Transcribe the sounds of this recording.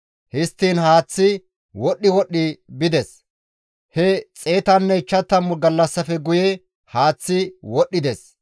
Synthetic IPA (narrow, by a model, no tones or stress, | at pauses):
hɪst̪ːiːnhaːt͡sːɪ | wɔɗːɪwɔɗːɪbɪd̪ɛs | hɛt͡sʼe̞ːt̪ɐnːɛɪt͡ʃːɐt̪ːɐmːʊɡɐlːɐsːɐfɛɡʊjɛ | haːt͡sːɪwɔɗːɪd̪ɛs